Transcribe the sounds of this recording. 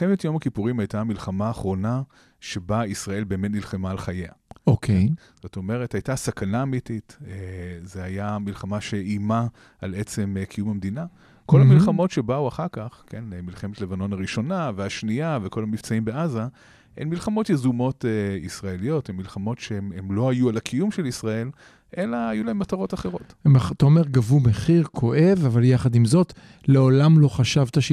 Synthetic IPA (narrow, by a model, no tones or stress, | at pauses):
emetjo̞makipuʁimajtamilχamaːχʁo̞na | ʃe̞baisʁae̞lbeːme̞tnilχemaːlχajeaokʰe | z̥o̞to̞me̞ʁethajtasakanaːmititezehajamilχamaʃe̞ima | ale̞t͡se̞mkʰijumamd̪ina | ko̞laamilχamo̞tʃe̞bauaχaʁkaχkʰe̞nemilχemetle̞vano̞naʁiʃo̞naveaʃniavekʰolamift͡saimbeaza | enmilχamo̞t̪jezumo̞teisʁaelijo̞themːilχamo̞tʃeemlo̞ajualakʰijumʃelisʁae̞l | ʔelaːjulahemːat̪aʁo̞t̪aχeʁo̞temaχat̪aome̞ʁɡavumeχiʁkʰo̞ʔe̞vavaljaχad̪imzo̞t̪ | le̞olamlo̞χaʃavt̪aʃ